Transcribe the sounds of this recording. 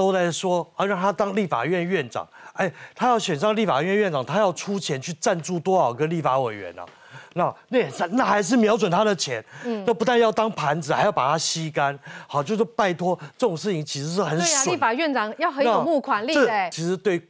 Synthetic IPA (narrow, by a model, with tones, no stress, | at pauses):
t̪o˥ʊt͡sa˧˩ɪʂwɔ˥˧ɻɑ˥˩ŋt̪ʰa˥t̪ɑ˥ŋli˥˩fa̰˨˩ɥɛ˥˧nɥɛ˥˩nʈ͡ʂɑ̰˨˩˦ŋa˥ɪt̪ʰa˥jɑ˥˩ʊɕɥɛ˨˩nʂ̬ɑ˥˧ŋli˥˩fa̰˨˩ɥɛ˥˧nɥɛ˥˩nʈ͡ʂɑ˨˩ŋt̪ʰa˥jɑ˥˩ʊʈ͡ʂʰu˥t͡ɕʰjɛ˧˥nt͡ɕʰy˥˧ʈ͡ʂa˥˧nt͡su˥˩t̪wɔ˥ɑ˨˩ʊkə˥˦nli˥˩fa˧˥we˨˩ɪɥɛ̰˧˦nɐ̰˨ | na˥˩na˥˩˨sa˥˧na˥˩xa˧˥ɪʂ̬ɻ̩˥˩mjɑ˧˥ʊt͡swə˨˩nt̪ʰa˥d̪ə˨t͡ɕʰjɛ˧˥n˥na˥˩pu˧˥t̪a˥˧njɑ˥˩ʊt̪ɑ˥ŋpʰa˧˥nd͡zɹ̩˨˩xa˧˥ɪjʊpa˨˩t̪ʰa˥ɕi˥ka˥nɑ˨˩t͡ɕjo˥˧ʊt͡ɕjo˥˧pa˥˩ɪt̪ʰwɔ˥ʈ͡ʂɤ˥˩ʈ͡ʂʊ˨˩ŋʂ̬ɻ̩˥˩t͡ɕʰi˧˥ŋt͡ɕʰi˧˥ʂɻ̩˧˥ʂ̬ɻ̩˥˩xə˨˩˦n˧wi˥˩˦fa˨˩ɥɛ˥˩nʈ͡ʂɑ˨˩˦ŋjɑ˥˩xə˧˦nja˥o˨˩mu˥˩kʰwa˧˥nli˥˧˥t͡ɕʰi˧˥ʂɻ̩˧˥t̪we˥˩ɪ